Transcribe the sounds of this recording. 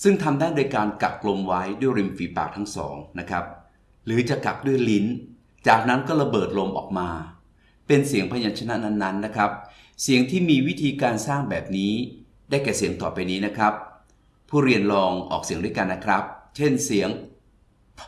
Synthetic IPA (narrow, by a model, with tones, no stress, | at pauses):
sɯ˥˩ŋt̪ʰa˧mdaː˥˩ndo˧jkaː˧nka̰˨˩k̚lo˧mwa˦˥jdu˥˩əjɾi˧mfiː˩˦pa̰ː˨˩k̚t̪ʰa˦˥ŋsɔ̰ː˩˦ŋna˦˥kʰɾa˦˥p̚ | ɾɯː˩˦t͡ɕa˨˩ka̰˨˩k̚du˥˩əjli˦˥n | t͡ɕaː˨˩k̚na˦˥nkɔː˥˩ɾa˧˥˧bɤː˨˩t̪̚lo˧mʔɔ̰ː˨˩k̚maː˧ | pe˧nsi˨˩˦ŋpʰa˧jaː˧nt͡ɕʰa˧na˦˥na˦˥nːa˦˥nːa˦˥kʰɾa˦˥p̚ | si˨˩˦əŋt̪ʰiː˥˩miː˧wi˦˥t̪ʰiː˧kaː˧nsaː˥˩ŋbɛː˨˩p̚niː˦˥ | daː˥˩jkɛː˨˩si˨˩˦əŋt̪ɔː˨˩pa˧jniː˦˥na˦˥kʰɾa˦˥p̚ʰː | uː˥˩ɾi˧ənlɔː˧ŋʔɔ̰ː˨˩k̚si˨˩˦ŋdu˥˩jka˧nːa˦˥kʰɾa˦˥p̚t͡ɕʰe˥˩nsi˩˦əŋʰ